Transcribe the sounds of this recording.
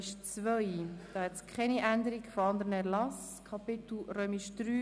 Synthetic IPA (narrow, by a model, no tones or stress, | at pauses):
ʃt͡svœjd̥ɑːhɛt͡skʰχɛniʔænd̪əɾiɡfoɑnd̪əɾənɛɾlɑs | kʰɑpɪt̪l̩ɾœːmiʃd̪̥ɾyː